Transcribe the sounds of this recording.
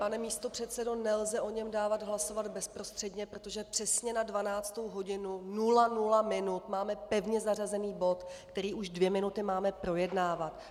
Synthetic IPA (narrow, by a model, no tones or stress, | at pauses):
panɛmiːst̪o̞pr̝̥ɛt̪t͡sɛdo̞nɛlzɛʔo̞ɲɛmdaːvad̪ɦlaso̞vad̪bɛspɾo̞st̪r̥ɛdɲɛpɾot̪oʒɛpr̥ɛsɲɛnadvanaːt͡st̪o̞wɦo̞ɟɪnunulanulamɪnut̪maːmɛpɛvɲɛzarazɛniːbo̞t̪kt̪ɛɾiːʔuʒdvjɛmɪnut̪ɪmaːmɛpɾo̞jɛdnaːvat̪